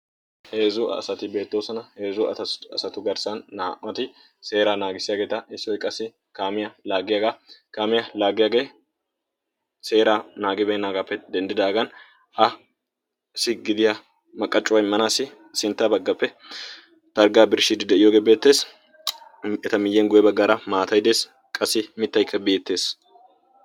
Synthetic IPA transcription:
he̞ːzʊ̰sɐt̪ɪbe̞ːt̪ːoːsɐnɐheːzʊɐ̰ɐsɐt̪ʊɡɐɾsɐnːaːʔmɐt̪ɪ | se̞ːɾaːnaːɡɪsɪjaːɡe̞ːt̪ɐʔɪsːɔwɪkʼːɐsɪ | kaːmɪjɐlaːɡɪjaɡakaːmɪjɐlaːɡɪjaɡe̞ː | se̞ːɾaːnaːɡɪbɛnaːɡapːɛd̪ɛnd̪ɪd̪aːɡɐn | ʔɐ | ɪsɪɡɪd̪ɪja | mɐkʼːɐt͡ʃʼːʊwɐjmːɐnaːsɪ | sɪnt̪ːɐbɐɡːɐpːɛ | t̪ɐɾɡaːbɪɾʃɪd̪ɪd̪ɛɪjoːɡeːbeːt̪ːe̞ːs | ɛt̪ɐmɪjːɛnɡʊjɛbɐɡaːɾɐmaːt̪ɐjd̪e̞ːs | kʼɐsːɪmɪt̪ːɐjkʰːɐbe̞ːt̪ːe̞ːs

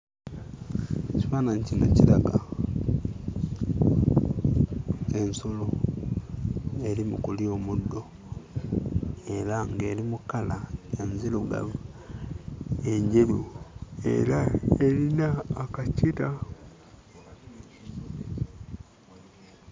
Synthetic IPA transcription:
ciwaːnaɲcina̰ciɾaɡa | ensolo | e̞ɾimṵkuljo̞mudːo̞ | e̞ɾaŋɡe̞ːɾimukalaanziluɡa̰β | eɲɟeluḛɾaeɾinaːkacita

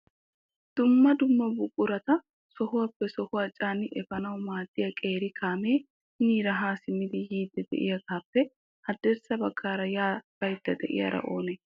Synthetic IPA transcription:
d̪̥ʊmːɐd̪ʊmːɐbʊkʼːʊɾɐt̪ɐ | sɔhʊwɐpːɛsɔhʊwɐt͡ʃʼːaːnɪʔɛfɐnɐwmaːt̪ʼːɪjɐkʼe̞ːɾɪkʰaːmeː | niɾɐɦaːsɪmɪd̪ɪjiːd̪ːɛd̪ɛ̰ʔɪ̰jɐkaːpːɛ | hɐd̪ɛɾsɐbɐkʰːaːɾɐjaːbɐjt̪ːɐd̪ɛ̰ʔɪ̰jɐ̰ɾɐ̰ʔo̞ːnɛ

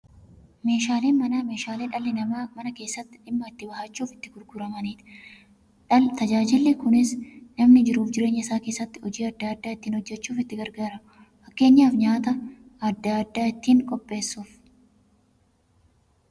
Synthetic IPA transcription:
me̞ːʃaːle̞ːnmɐnɐme̞ːʃaːleᶑɐlːɪnɐmamɐnɐke̞ːsːɐt̪ːɪ̥ᶑɪmːɐɪt̪ːɪbɐhat͡ʃːuːfɪ̥t̪ːɪɡʊɾɡʊɾɐmɐniːt̪ɪ | t̪ɐd͡ʒaːd͡ʒɪlːekʊnɪsnɐmnɪd͡ʒɪɾuːfd͡ʒɪɾe̞ːɲːɐɪsaːke̞ːsːɐt̪ːɪ̥ɔd͡ʒiːɐd̪ːaːd̪ːaːɪt̪ːiːnhɔd͡ʒːɛt͡ʃːuːfɪt̪ːɪɡɐɾɡaːɾɐmʊ | fɐkːe̞ːɲːaːfɲaːt̪ɐ | ɐd̪ːaːd̪ːaːɪt̪ːiːŋkʼɔpʼːe̞ːsːuːf

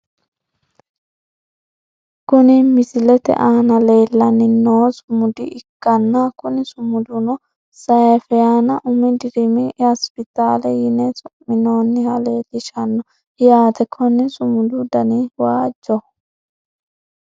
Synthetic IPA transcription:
kʊnɪmɪsɪlɛt̪ɛ̰ʔaːnɐleːlːɐnːɪnoːsʊmʊd̪ɪʔɪkːɐnːɐkʊnɪsʊmʊd̪ʊnɔ | sɐjɛfɛjaːnɐʔʊmɛd̪ɪɾɪmɪhɐspɪt̪aːlɛjɪnɛt͡sʼʊmːɪnoːnːɪhɐleːlːɪʃɐnːɔ | jaːt̪ɛkʰɔnːɪsʊmʊd̪ʊd̪ɐnɪwaːd͡ʒːɔ

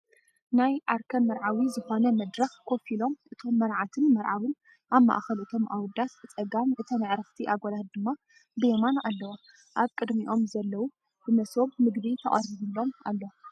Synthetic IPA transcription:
najʔaɾkʰɐnmɐɾʕawizɨxo̞nɐmɐd̪ɾɐxkʰo̞filo̞mʔɨt̪ʰo̞mːɐɾʕat̪ʰɨnmɐɾʕawɨn | ʔaβmːa̰ʔxɐlʔɨt̪ʰo̞mʔawʊd̪ast͡sʼɐɡamʔɨt̪ʰɐnɨʕɾɐft̪ʰiʔaɡolad̪d̪ɨmːa | bɨjemanalːɐwa | ʔaβkʼɨd̪miʔo̞mzɐlːɐwu | b̥ɨmɐsoβmɨɡdit̪ʰɐχʼɐɾiβɨlːo̞ma̰lːɐw

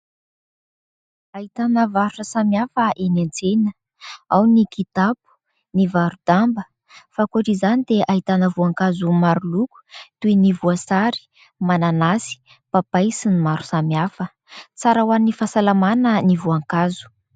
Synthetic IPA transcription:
ait̪anəvaɾuʈ͡ʂəsamjafəʔenant͡senə | awnikit̪apu̥ | nivaɾud̪ambə | fakoʈ͡ʂizanid̪eʔaɦit̪anəvuaŋkazumaɾuluku̥t̪uinivuasaɾi̥ | mananasi̥ | papajsinimaɾu̥samjafə | t͡saɾawanifasalamanənivuaŋkazu̥

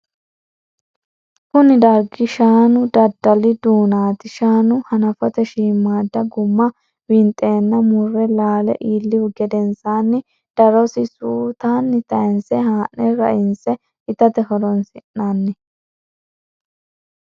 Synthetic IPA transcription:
kʊnɪd̪ɐɾɡɪʃaːnʊd̪ɐd̪ːɐlɪd̪uːnaːt̪ɪʃaːnʊhɐnɐfɔt̪ɛʃiːmːaːd̪ːɐɡʊmːɐ | wɪnt̪ʼːe̞ːnːɐmʊrːɛlaːlɛ̰ʔiːlːɪwʊɡɛd̪ɛnsaːnːɪ | d̪̥ɐɾɔsɪsuːt̪aːnːɪt̪ɐjɛnsɛɦaːʔnɛɾɐ̰ʔɪnsɛ | ɪt̪ɐt̪ɛɦɔɾɔnsɪnːanːɪ

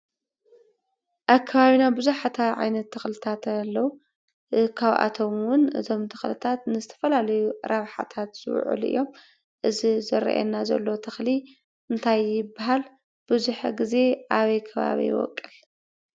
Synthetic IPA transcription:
ʔakʰːɐβaβinabɨzuħat̪ʰaʕa̰jnɐt̪ʰːɨxlɨt̪ʰat̪lːɐwu | kʰaβʔa̰t̪ʰo̞mwʊnɨ̰t̪ʰo̞mt̪ʰɨxlɨt̪ʰat̪nɨzɨt̪ʰɐ̥fɐlalɐjuɾʔaβħa̰t̪ʰat̪z̥ɨ̰w̰ʕɨ̰lɨ̰jːo̞m | ʔɨzizɨɾɐ̰ʔɛ̰nːazɐ̰lːo̞t̪ʰɐxli | ʔɨnt̪ʰajːɪbaɦal | b̥ɨzuħaɡize̞ʔaβɐjkʰɐβa̰βḭj̰wɔ̰kʼːɨl

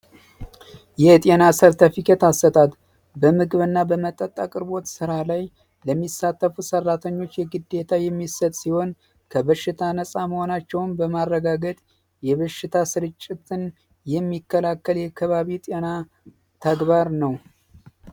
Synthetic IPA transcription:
jɛt̪ʼenasəɾt̪ʰəfikʰet̪asət̪ʼat̪ | bəmɨɡɨβɨnːabəmət̪ʼːət̪ʼːakʼɨɾbo̞t̪sɨɾalaj | ləmːisːat̪ːəfusərːat̪ʰəɲːo̞t͡ʃːjɛɡɨd̪ːe̞t̪ʰajɛmːisət̪ʼsiho̞n | kʰəβəʃɪt̪ʰanəsʼaməho̞nat͡ʃːɛwnbəmarːəɡaɡət̪ʼ | jɛβəʃːɪt̪ʰasɨɾɨt͡ʃʼːɪt̪ʰɨn | jɛmːikːəlakːəljɛkʰːəβaβit̪ʼena | t̪ʰəɡβaɾnəw

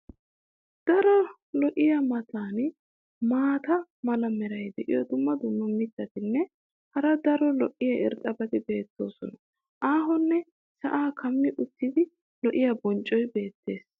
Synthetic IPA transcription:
d̪̥ɐɾɔ | lɔʔɪjɐmɐt̪ʰaːn | maːt̪ɐmɐlɐmɛɾɐjd̪ɛʔɪ̰jɔd̪ʊmːɐd̪ʊmːɐmɪt̪ːɐt̪ɪnːɛ | hɐɾɐd̪ɐɾɔlɔʔɪjɐɪɾt̪ʼːɐbɐd̪ɪbe̞ːt̪ːo̞̰ːsɔnɐ | ʔaːɦɔnːɛ | sɐʔaːkʰɐmːɪʔʊt̪ːɪd̪ɪ | lɔʔɪjɐbɔnt͡ʃʼːɔjbe̞ːt̪ːe̞ːs

